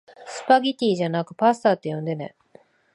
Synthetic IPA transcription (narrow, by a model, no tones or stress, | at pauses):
sɨ̥paɡʲit̪ʲiːʑanakɯ̟̥past̪aːt̪ːe̞jõ̞nd̪e̞nḛ